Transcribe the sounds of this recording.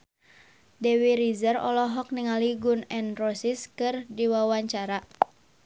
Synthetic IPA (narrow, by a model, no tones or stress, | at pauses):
dɛwiɾizərɔ̰lɔɦɔk̚niŋaliɡunɛnrɔsiskɨrdiwawaɲt͡ʃaɾa